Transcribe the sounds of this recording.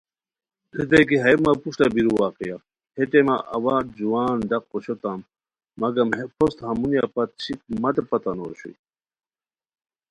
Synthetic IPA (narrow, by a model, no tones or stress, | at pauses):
d̪id̪ɐjkiɦɐjmapuʂʈɐbiɾuwaːqija | heʈ̪emaʔɐ̰waːd͡ʑuwaːnɖɐqːoɕot̪amː | ɐɡɐmpʰost̪hɐmunjapɐt̪t͡ɕʰik̚mɐt̪epɐt̪ano̰ɕṵj